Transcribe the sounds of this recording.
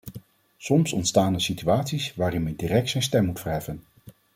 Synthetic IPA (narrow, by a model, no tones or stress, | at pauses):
sɔmsɔntstaːndəsityaːtsisʋaːɾɪnmɛndirɛk̚tsɛjnstɛmːutfəɹɦɛfən